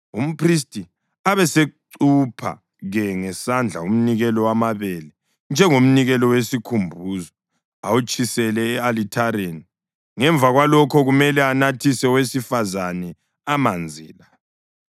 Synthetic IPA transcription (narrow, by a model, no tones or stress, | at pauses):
um̩pʰris̬tʼi | aβɛseǀupʰa̰ | ɣɛŋɛsand͡ɮʱa̰um̩niɣɛlɔwamaβɛlɛ | nd͡ʒʱɛŋom̩niɣɛlɔwesikʰumbʱuːzɔ | awut͡ʃʰʼisɛlɛːalitʰaɾeni | ŋɛɱb̪vʱaɣwalɔkʰɔɣumɛlɛanatʰisɛwesifazanɛ | amand͡zʱḭːla